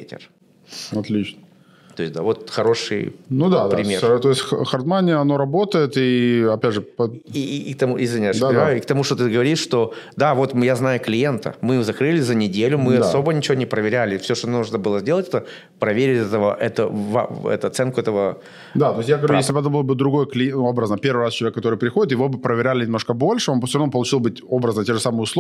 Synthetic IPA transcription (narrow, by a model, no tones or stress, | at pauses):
etʲɪ̰r | ɐt̪lʲit͡ɕnə | t̪o̞jɪsʲd̪a̰vo̞t̪xɐɾo̞ʂɨ̰jnud̪apɾʲɪmʲert̪oɪsʲtʲxɐrd̪manʲɪəɐno̞ɾɐbot̪əjɪt̪iɐpʲædʐɨpː | k̚t̪ɐmuʔɪzvʲɪnʲajʲajʊɪk̚t̪ɐmuʂt̪ot̪ɨɡəvɐɾʲiʂʂt̪o̞d̪avo̞t̪mjaznajʊklʲɪje̞nt̪ə̰mɨjɪjozɐkɾɨlʲɪzənʲɪdʲelʲʊmɨɐso̞bənʲɪt͡ɕɪvonʲɪpɾəvʲɪɾʲælʲɪfsʲoʂt̪onuʐnəbɨlˠəzʲdʲe̞lˠətʲɛt̪ə | pɾɐvʲeɾʲɪtʲɛt̪əvəʔɛt̪ə̰va̰ɛ̰t̪ʊɐt̪sɛnkʊɛt̪əvə | d̪at̪ojsʲjakɐujesʲlʲɪbəɛt̪əbɨlˠəbɨd̪ɾʊɡo̞jəklʲɪjobɾəznəpʲe̞rvɨɾast͡ɕɪlˠvʲekːɐt̪o̞ɾɨjpɾʲɪxodɪt̪jɪvo̞bɨpɾəɪɾʲælʲɪnʲɪmnoʂkəbo̞lʲʂɨonpfsʲoɾɐvnopəlˠʊt͡ɕilˠbɨtʲo̞bɾəznətʲeʐɨsamɨjʊsˠ